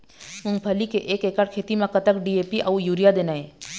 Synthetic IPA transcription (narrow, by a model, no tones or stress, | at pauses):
ʊ̃ŋpʰəlikeʔeːkeːkəɽkʰeːt̪imãkət̪əkɖieːpiʔɐujuːɾijad̪eːnaeː